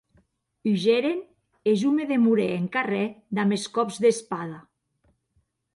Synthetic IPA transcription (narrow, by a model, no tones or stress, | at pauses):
iʒeɾen | ezumeðemuɾeeŋkarɛd̪ameskɔpzðespaða